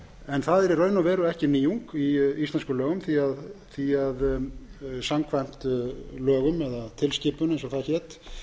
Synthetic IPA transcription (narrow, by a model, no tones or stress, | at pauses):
ɛnθaðɛɾirœːɥnavɛːɾʏɛhcɪniːuŋkiist̪ɛnskʏlœːɣʏmθiaðθiað | samkʰvajm̥t̪lœːɣʏmɛðat̪ʰɪlscɪːpʏnejnsɔθaðçɛt̪